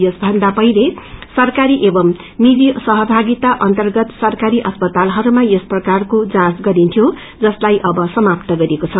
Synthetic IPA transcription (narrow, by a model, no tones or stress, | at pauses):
jʌsbʱʌnd̪apʌjlesʌrkaɾiʔebʌmː | id͡zisʌɦʌbʱaɡit̪aʔʌnt̪ʌrɡʌt̪sʌrkaɾiʔʌspʌt̪alɦʌɾumajʌsprʌkarkod͡zãsɡʌɾint̪ʰijo | d͡zʌslajʔʌbʌsʌmapt̪ʌɡʌɾekot͡sʰʌ